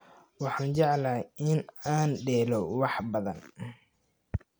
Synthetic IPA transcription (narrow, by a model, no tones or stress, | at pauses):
wɑħɑːnt͡ʃɛʕlaːɪnaːnɖɛːlɔwɑħbɐðɐ̰n